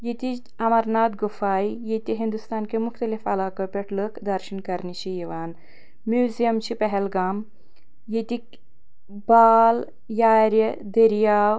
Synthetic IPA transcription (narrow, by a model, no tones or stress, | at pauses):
jet̪i | ɐmɐɾnaːt̪̚ɡufaːjijet̪iɦind̪ust̪aːnkemuxt̪ɐlifɐlaːkɐpʲeʈʰlɨkd̪ɐɾʃinkɐɾnit͡ʃʰijiʋaːn | mjuːzijɐmt͡ʃʰipɐɦelɡaːm | jet̪ik | baːl | jaːɾjɐd̪ɐɾijaːw